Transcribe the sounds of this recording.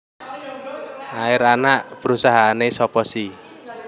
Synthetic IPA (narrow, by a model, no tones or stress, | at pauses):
aɪɾanaʔpəɾusaɦaːnesɔpɔsi